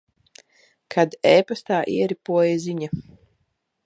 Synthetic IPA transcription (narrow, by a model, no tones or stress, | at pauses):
kʰad̪ɛːpast̪aːʔiɛɾipuɔjaziɲa